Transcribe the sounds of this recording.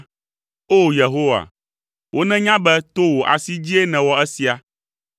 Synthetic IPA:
o˦˨je˨ɦo˦wa̰˨ | wʔo˦nɛ̃˦ɲã˦bɛ˦t̪o˦wo˨ʔa̰˨si˦d͡ʑi˦e˦nɛ̃˨wɔ˦ɛ˦si˨a˨

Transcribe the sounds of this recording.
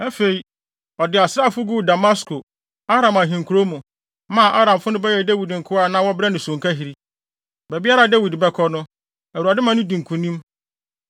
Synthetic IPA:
ɛ˦fe˨i˨ | ɔ˨dɪ˨a˨sɾa˦˨fʊ˦ɡu˦˨da˨ma˦skʰo˨ | a˦ɾã˨mã˨ɦĩ˨ŋ˨kʰu˨ɾo˦mũ˨ | mã˨ʔa˦ɾã˨m˨fʊ˦nʊ̃˦bɛ˦jɛ˨dæ˦wi˨dŋ̩˨kʰʊ˦a˨nã˦wɔ˦bɪɾɛ˦nʊ̃˨sʊ̃˨ŋkʰa˦ɦi˨ɾi˦ | bɛ˨bi˦a˦ɾa˨dæ˦wi˨dbɛ˦kʰɔ˦nʊ̃˦ | æ˨wu˨ɾa˨dɪ˦mã˨nʊ̃˦dĩ˨ŋ̩˨kʰũ˨nĩ˦m

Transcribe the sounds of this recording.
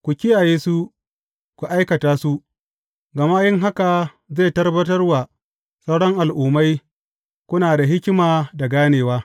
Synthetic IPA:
kʷu˨kʲɪ˦jaː˨jeː˦su˦ | kʷu˨ʔa˦jkɐ˨taː˦su˦ʔ | ɡɐ˨ma˦jɪ˦ŋɦa˦ka˨ | ze˦˨tɐ˦rbɐ˦tɐ˦rwa˨ | sa˦wɽɔ˦ŋʔa˨lʔuː˨ma˦j | kʷʊ˦naː˨da˨ɦɪ˦kʲɪ˦maː˨da˨ɡaː˦neː˨waː˦

